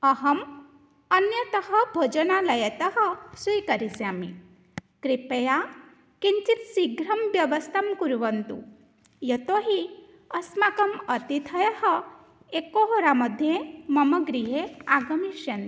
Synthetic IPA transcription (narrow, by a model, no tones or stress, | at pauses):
əɦəm | ənjət̪əɦəbʱod͡ʒənaləjət̪əɦəsujkəɾisamḭ | kɾipeja | kiɲt͡ʃit̪siɡɾɐmʋjɐʋəst̪ʰamkuɾʋənt̪ṵ | jət̪oɦi | əsmakəmət̪it̪ʰəjəɦə | ekoɦoɾaməd̪ʱjeməməɡɾiɦeaɡəmiʃjɐnt̪